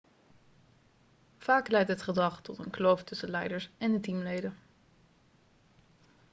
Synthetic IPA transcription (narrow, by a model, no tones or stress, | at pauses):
faːklɛjtɦətχədrɑχtɔtənklowftɵsəlɛjdəɹsɛndətimlejdə